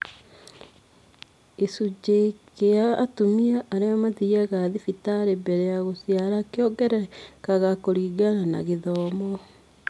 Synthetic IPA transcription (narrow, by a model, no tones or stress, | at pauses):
esud͡ʒekeaːtumiaʔaɾeamaðiaɣaðifitaɾebɛɾɛaɣosiaɾakeɔɡɛɾɛkaɣakoɾiːɡanana̰ɣeðɔːmɔ